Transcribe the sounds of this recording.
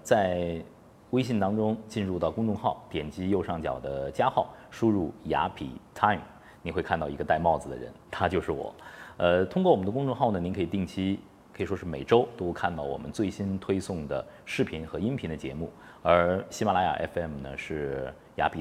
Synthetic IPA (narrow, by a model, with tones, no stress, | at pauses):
t͡sa˥˧ɪ | we˥ɪɕi˥˩nt̪ɑ˥ŋʈ͡ʂʊ˥ŋt͡ɕi˥˧nɻu˥˧t̪ɑ˥˩ʊkʊ˥ŋʈ͡ʂʊ˥˧ŋxɑ˥˩ʊt̪jɛ˨˩nt͡ɕi˥jo˥˧ʊʂɑ˥˩ŋt͡ɕjɑ˨˩ʊd̪ə˦t͡ɕja˥xɑ˥˩ʊʂu˥ɻu˥˩ja̰˧˥pʰḭ˨˩t̪ʰa˥˩ | ni˨˩xwe˥˧ɪkʰa˥˧nt̪ɑ˥˩i˧˥ɡə˧t̪a˥˧ɪmɑ˥˩ʊd͡zɹ̩˩d̪ə̰˩ɻə̰˧˥nt̪ʰa˥t͡ɕjo˥˧ʊʂɻ̩˥˩wɔ̰˨˩˦ə˧t̪ʰʊ˥ŋkwɔ˥˩wɔ˨˩mə˦nd̪kʊ˥ŋʈ͡ʂʊ˥˧ŋxɑ˥˩ʊnə˩ni˧˥ŋkʰi˨˩t̪i˥˩ŋt͡ɕʰi˥ | kʰɤ˧˥˨ʂwɔ˥ʂɻ̩˥˩me˨˩ɪʈ͡ʂo˥ʊt̪o˥ʊkʰa˥˧nt̪ɑ˥˩ʊwɔ̰˨˩mə̰˦nt͡swe˥˩ɪɕi˥nt̪ʰwe˥ɪsʊ˥˩ŋd̪ə̰˩ʂɻ̩˥˩pʰi˧˥nxɤ˧˥i˥npʰi˧˥nd̪ə˧t͡ɕjɛ̰˧˥mu˥˩ | ə˞˧˥ɕi˥ma˨˩la˧˥ja̰˨˩ʔɛ̰˥fɛ˥˩mnə̰˩ʂɻ̩˥˩ | ja̰˧˥pʰi˨˩